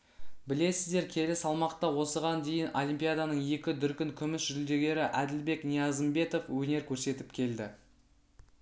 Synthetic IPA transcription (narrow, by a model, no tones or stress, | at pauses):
bɪle̞sɪzd̪e̞ɾkʲʰe̞lɪsɑlˠmɑqt̪ɑwo̞səʁɑnd̪e̞jɪnolʲˠimpijad̪ɑnəɴje̞kʲɪd̪ʏɾkʲɪŋkʲʰʏmɪsʒʏld̪e̞ɡʲe̞ɾɪʔæd̪ɪlbe̞knijɑzəmbe̞t̪o̞fwɵne̞ɾkʲʰɵɾse̞t̪ɪpkʲʰe̞ld̪ɪ